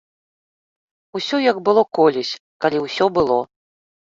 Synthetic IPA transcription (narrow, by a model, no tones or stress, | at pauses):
usʲɔjɐɡbɨlˠɔkɔlʲɛsʲkalʲiwsʲɔbɨlˠɔ